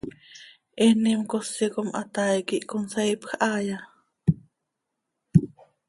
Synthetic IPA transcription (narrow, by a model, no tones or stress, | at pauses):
ʔɛnimkosːikomʔa̰t̪aikiʔkonseipxʔɑːja